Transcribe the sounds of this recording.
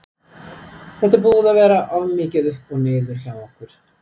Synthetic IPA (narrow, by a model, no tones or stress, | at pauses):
θɛht̪abuːðavɛːɾaʔavmɪːcɪðʏhpɔɣneːjðʏɾ̥çawɔhkʏɾ̥